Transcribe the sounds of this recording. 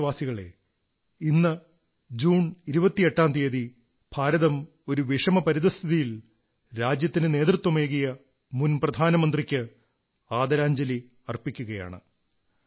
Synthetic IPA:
ʋaːsiɣɐɭe̞̰ | inːɐ | d͡ʑuːɳiɾubɐt̪ːije̞ʈːaːmt̪iɐði | bʱaːɾɐðɐm | o̞ɾuʋiʂɐmɐpɐɾiðɐst̪ʰiðijil | ɾaːd͡ʑjɐt̪ːinɨne̞ːd̪rut̪wɐmeːɣijɐ | munprɐd̪ʱaːnɐmɐnd̪rikʲːɨ | aːd̪ɐɾaːɲd͡ʑɐli | ɐrpikʲːuɣɐja̰ːɳɨ̰

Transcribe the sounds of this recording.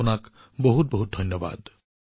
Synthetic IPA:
ɔnak | bɔɦut̪̚bɔɦut̪̚d̪ʱʌnjɔba̰d̪

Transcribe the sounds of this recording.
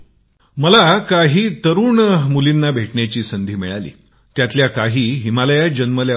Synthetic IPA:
məlakaɦiːt̪əɾuːɳmulinːabʱeʈɳjat͡ɕiːsənd̪ʱiːmiɭalḭː | t̪jat̪ljakaɦiːɦimaləjad͡ʑənməlja

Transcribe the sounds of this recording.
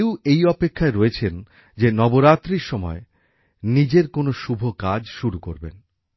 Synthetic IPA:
ewejɔpekʰːaeɾoet͡ɕʰen | d͡ʑenɔboɾat̪ːɾiɾʃɔmɔ̰e | nid͡ʑeɾkonoʃubʱokad͡ʑʃuɾukoɾbḛn

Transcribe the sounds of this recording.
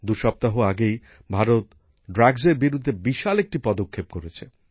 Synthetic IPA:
d̪uʃɔp̚t̪aɦoaɡej | bʱaɾot̪ | ɖɾaɡzeɾbiɾud̪ʱːebiʃalek̚ʈipɔd̪okʰːep̚koɾet͡ɕʰe

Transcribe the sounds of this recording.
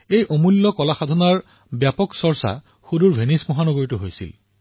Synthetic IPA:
ejʔomulːɔkɔlaxad̪ʱɔnaɹ | bjapɔksɔɹsa̰ | xuduɹbʱenismɔɦanɔɡoɹitʊɦojsḭl

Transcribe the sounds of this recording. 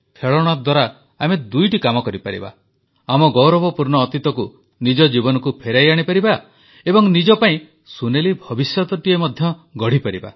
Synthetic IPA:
pʰeɭɔɽ̃ad̪waɾa | amed̪ujʈikamɔkɔɾipaɾḭba̰ | amɔɡɔwɾɔbɔpuɾɳɔːt̪it̪ɔku | nid͡ʒɔd͡ʒibɔnɔkupʰeɾajaɽ̃ipaɾiba | ebɔŋnid͡ʒɔpaĩ | sunelibʱɔbisjɔt̪ɔʈiemɔd̪ʱjɔɡɔɽ̤ipaɾiba̰

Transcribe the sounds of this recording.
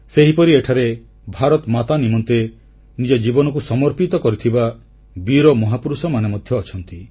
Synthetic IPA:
seɦipɔɾieʈʰaɾe | bʱaɾɔt̪mat̪animɔnt̪e | nid͡ʒɔd͡ʒibɔnɔkusɔmɔɾpit̪ɔkɔɾit̪ʰiba | biɾɔmɔɦapuɾusɔmanemɔd̪ʱjɔːt͡ʃʰɔnt̪i

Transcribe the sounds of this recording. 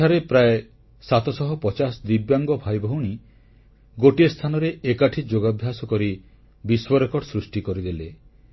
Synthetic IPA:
aɾepɾae | sat̪ʰɔsɔɦɔpɔt͡ʃasd̪ibjaŋɡɔbʱajbʱɔɦuɽ̃i | ɡoʈiest̪ʰanɔɾeʔekaʈʰid͡ʒoɡɔbʱjasɔkɔɾi | biswɔɾekɔɽsɾusʈikɔɾid̪ele

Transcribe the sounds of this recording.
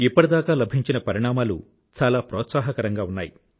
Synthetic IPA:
ipːɐʈid̪aːkaːlɐbʱiɲt͡ʃinɐpɐɾiɳaːmaːlṵ | t͡ʃaːlaːpɾɔːt̪saːɦɐkɐɾɐŋɡaːunːaːji

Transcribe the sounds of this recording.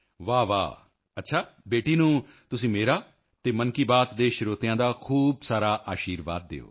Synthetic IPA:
ʋaːʋa̰ː | ətːʃʰaːbeːʈiːnũː | t̪ʊsĩːmeːɾaː | t̪eːmənkiːbaːt̪d̪eːʃɪɾoːt̪jãːd̪aːkʰuːbsaːɾaːʔaːʃiːɾʋa̰ːd̪ːḛːo̰ː

